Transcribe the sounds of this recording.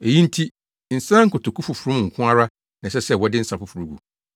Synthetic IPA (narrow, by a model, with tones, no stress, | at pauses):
e˨jĩ˦n̩˦tʰi˦ | n̩˨sã˦ŋ̩˦kʰʊ˨tʰʊ˨kʰʊ˦fʊ˨fʊ˨ɾʊ̃˦m˨ŋ̩˨kʰʊ̃˦a˦ɾa˦ | nã˨sɛ˦sɛ˦˨wɔ˦dɪ˦n̩˦sa˨fʊ˨fu˨ɾu˨˦ɡṵ˨